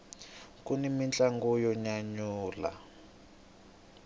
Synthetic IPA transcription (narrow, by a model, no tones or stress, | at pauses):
kunimint͡ɬʼaŋɡɔjɔɲaɲuːla̰